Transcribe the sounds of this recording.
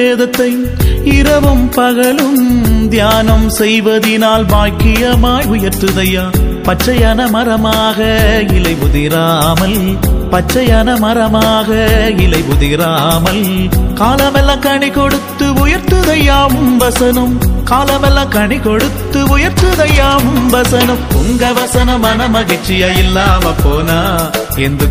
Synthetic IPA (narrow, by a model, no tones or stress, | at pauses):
eːðɐt̪ːɐɪ | ɪɾɐʋɯmpɐɣɐɭɯmd̪jaːnɐmsɛjʋɐðɪnaːlbaːkɪjɐmaːjʊjɐɾt̪ɯðɐjaːpɐt͡ʃːɐjɐnɐmɐɾɐmaːɣɐɪlɐɪʋʊðɪɾaːmɐl | pɐt͡ʃːɐjɐnɐmɐɾɐmaːɣɐɪlɐɪʋʊðɪɾaːmɐlkaːlɐmɛlːɐ̃kɐɳikɔɽɯt̪ːɯʊjɐɾt̪ɯðɐjaːmʋɐsɐnɯmkaːlɐmɛlːɐ̃kɐɳikɔɽɯt̪ːɯʊjɐɾt̪ɯðɐjaːmʋɐsɐnɯmpʊŋɡɐʋɐsɐnɐmɐnɐmɐɣɐt͡ʃːɪjɐjɪlːaːmɐpːoːnaː | ɛndrɯ